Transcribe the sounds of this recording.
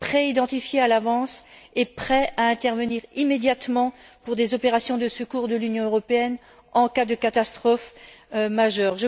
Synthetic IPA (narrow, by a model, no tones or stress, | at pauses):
pχeid̪ɑ̃t̪ifjealavɑ̃sepχɛʔaɛ̃t̪ɛʁvəniʁimed̪jat̪mɑ̃puʁd̪ezɔpeʁasjɔ̃d̪əsəkuʁd̪əlynjɔ̃øʁɔpeɛn | ɑ̃kad̪əkat̪ast̪χɔfmaʒœːʁʒə